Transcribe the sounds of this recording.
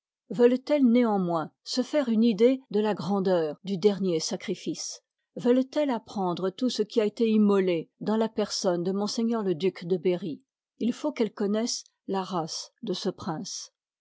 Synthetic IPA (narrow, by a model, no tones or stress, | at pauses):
vœlt̪ɛlneɑ̃mwɛ̃səfɛʁynid̪ed̪əlaɡʁɑ̃d̪œːʁd̪yd̪ɛʁnjesakχifis | vœlt̪ɛlapχɑ̃d̪ʁət̪usəkʲiaet̪eimɔled̪ɑ̃lapɛʁsɔnd̪əmɔ̃seɲœʁləd̪ykd̪əbeʁi | ilfokɛlkɔnɛs | laʁasd̪əsəpχɛ̃s